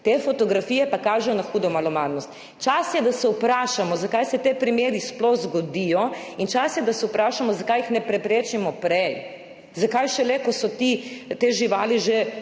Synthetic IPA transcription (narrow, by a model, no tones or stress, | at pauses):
t̪efɔt̪ɔɡɾafijɛpakaːʒɛjɔnaxuːd̪ɔmalɔmaːd̪nɔst̪ | t͡ʃasjɛd̪asɛupɾaːʃamɔzakajsɛt̪eːpɾimeːɾisplɔxzɡɔd̪ijɔint͡ʃasjɛd̪asɛupɾaːʃamɔzakajixnɛpɾɛpɾeːt͡ʃimɔpɾɛj | zakajʃɛlɛkɔsɔt̪it̪eːʒiʋaːliʒe